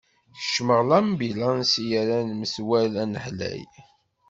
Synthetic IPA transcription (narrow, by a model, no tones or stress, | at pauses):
θə̥ʃməʁlæmbilɑnsijæɾænməswælænəħlæ̰j